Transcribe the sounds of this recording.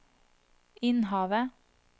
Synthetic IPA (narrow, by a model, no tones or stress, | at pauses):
ɪnhɑːʋə